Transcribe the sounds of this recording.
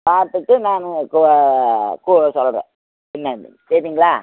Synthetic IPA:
paːɾt̪ɯʈːɯnaːnɯk | kuːsɔlːɐɾḛ̃ː | ɪmːaːdɪ̰ŋsɛɾðiːŋɡɐɭaː

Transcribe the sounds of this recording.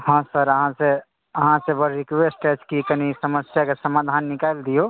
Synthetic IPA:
ɦɔ̃səɾəɦãse | əɦãsebəɾɾikʋesʈed͡ʒkikənisəməsjakesəmad̪ʱanːikaeld̪ijo

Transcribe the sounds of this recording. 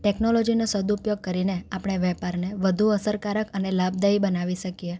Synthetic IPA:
ʈeknolod͡ʒinosəd̪upjoɡ̚kəɾineapɽ̃eʋɛpaɾneʋəd̪ʱuəsəɾkaɾəkənelab̚d̪aibənaʋiʃəkie

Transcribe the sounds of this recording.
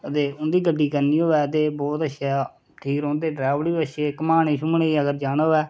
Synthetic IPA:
ət̪eːʊnd̪iːɡəɖːiːkəɾniːoːʋɛːt̪eːbɔːt̪əʃʰaː | ʈʰiːkɾõːnd̪eːɖɾɛːʋliːəʃeːkəmaːnẽːʃʊmɳeːiːəɡəɾd͡ʒaːnoːɛː

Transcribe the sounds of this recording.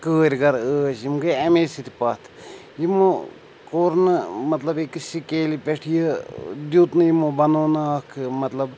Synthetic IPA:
kəːɾʲɡɐɾəːsjimɡeɐmesit̪ipɐt̪ʰ | jimo | koːɾnɨmɐt̪lɐbekɨsikeːlipeʈʰijəd̪juːt̪njimobɐnoːnɐkʰmɐt̪lɐb

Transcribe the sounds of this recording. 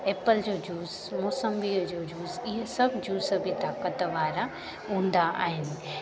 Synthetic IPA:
eːpəld͡ʑoːd͡ʑuːz | mɔːsəmbid͡ʑoːd͡ʑuːzɪɦəsɐbʱd͡ʑuːsə̆bʱit̪aːkət̪ʋaːɾa | ɦũːn̆d̪aʔa̰ːɦɪnɪ̆

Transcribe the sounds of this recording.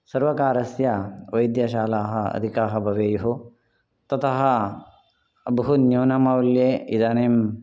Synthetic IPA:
sɐɾʋɐkaːɾɐsjɐʋɐjd̪jɐʃaːlaːɦɐɐ̰d̪ʱikaːɦɐbʱɐʋeːjɐɦu | t̪ɐt̪ʰɐɦɐ̆ | ɐbʱɐɦunjoːnɐmɐwljeːid̪ɐneːm

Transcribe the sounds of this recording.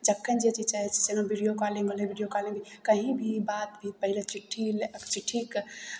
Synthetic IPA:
d͡ʒəkʰːənd͡ʒet͡ʃit͡ʃaɦɛt͡ʃʰi̥senabiɽijokalĩŋɡəlebiɖijokalĩŋɡbikəɦibʱibat̪bʱipəɦilet͡ʃiʈʰːiləkt͡ʃiʈʰːik

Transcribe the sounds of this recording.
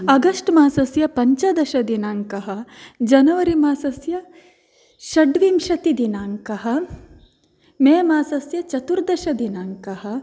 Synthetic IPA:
ɐɡɐsʈmaːsɐsjɐpɐɲt͡ʃɐd̪ɐʃɐd̪inaːŋkɐɦɐ̆d͡ʒɐnɐʋɐɾimaːsɐsjɐ | ʃɐɖʋimʃɐt̪id̪inaːŋkɐɦɐ̆ | meːmaːsɐsjɐt͡ʃɐt̪uɾd̪ɐʃɐd̪inaːŋkɐɦɐ̆

